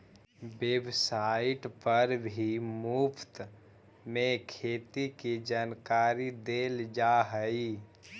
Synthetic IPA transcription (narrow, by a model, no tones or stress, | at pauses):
weːbsaːɪʈpəɾbʱimuːpt̪ | mẽkʰeːt̪ikid͡ʒaːnkaːɾid̪eːld͡ʒaɦəi